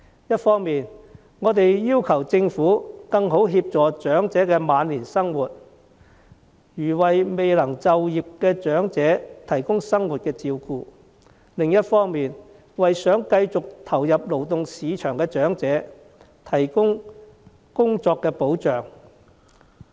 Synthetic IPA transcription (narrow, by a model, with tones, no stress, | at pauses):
jɐ˥t̚fɔː˥ŋmiː˨n | ŋɔː˨˧t̪e˨jjiː˥wkʰɐ˨˩wt͡sɪ˧ŋfuː˨˥kɐ˧ŋɦo˨˥wɦiː˧p̚t͡sɔː˨˩t͡ʃœː˨˥ŋt͡sɛː˨˥kɛː˧maː˨˧˥nliː˨˩nsɐ˥ŋwuː˨˩t̚ | jyː˨˩wɐ˨jme˨jlɐ˨˩ŋt͡sɐ˨wjiː˨p̚kɛː˧t͡ʃœː˨˥ŋt͡sɛː˨˥t̪ʰɐ˨˩jkʊ˥ŋsɐ˥ŋwuː˨t̚kɛː˧t͡siː˧wkuː˧ | lɪ˨˧ŋjɐ˥t̚fɔː˥ŋmiː˨n | wɐ˨jsœː˨˥ŋkɐ˧jt͡sʊ˨k̚t̪ʰɐ˨˩wjɐ˨p̚lo˨˩wt̪ʊ˨ŋsiː˨˧t͡ʃʰœː˨˩ŋkɛː˧t͡ʃœː˨˥ŋt͡sɛː˨˥ | t̪ʰɐ˨˩jkʊ˥ŋ | kʊ˥ŋt͡sɔː˧kːɛː˧po˨˥wt͡ʃœː˨ŋ